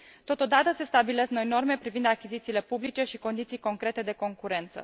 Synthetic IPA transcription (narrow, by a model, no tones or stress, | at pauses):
t̪o̞t̪o̞d̪at̪əse̞st̪abileskno̞jno̞rme̞pɾivind̪akʲizit̪siːle̞publit͡ʃe̞ʃiko̞nd̪it̪sijko̞ŋkɾe̞t̪e̞d̪e̞ko̞ŋkuɾe̞nt̪sə̰